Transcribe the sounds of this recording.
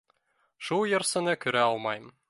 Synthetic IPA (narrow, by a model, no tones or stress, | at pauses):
ʃulˠjɤ̆ɾsɤ̆nɤkɵ̆ɾæɒlˠmɑjm